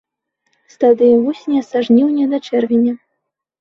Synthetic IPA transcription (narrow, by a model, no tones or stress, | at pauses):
st̪ad̪ɨjɐvusʲnʲiɐsaʐnʲiwnʲɛd̪at͡ʂɛrvʲinʲɐ